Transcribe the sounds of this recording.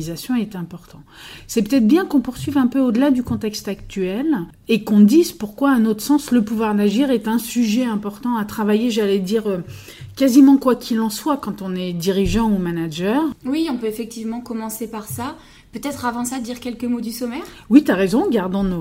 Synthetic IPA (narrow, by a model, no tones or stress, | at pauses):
izasjɔ̃ɛt̪ɛ̃pɔʁt̪ɑ̃sɛpøt̪ɛt̪χbjɛ̃kɔ̃puʁsɥivɛ̃pøod̪əlad̪ykɔ̃t̪ɛkst̪ak̚t̪yɛl | ekɔ̃d̪izpuʁkwaɛ̃not̪χə̥sɑ̃sləpuvwaʁd̪aʒiʁɛt̪ɛ̃syʒɛɛ̃pɔʁt̪ɑ̃at̪χavajeʒalɛd̪iʁø | kazimɑ̃kwakʲʰilɑ̃swakɑ̃t̪ɔ̃nɛd̪iʁiʒɑ̃umanaʒœʁwiɔ̃pøefɛk̚t̪ivmɑ̃kɔmɑ̃sepaʁsa | pøt̪ɛt̪χavɑ̃sad̪iʁkʲɛlkəmod̪ysɔmɛʁ | wit̪yaʁezɔ̃ɡaʁd̪ɑ̃no